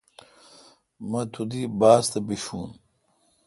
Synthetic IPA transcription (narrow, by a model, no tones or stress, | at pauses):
mɐt̪ʰud̪ibaːst̪ɐbiɕuːn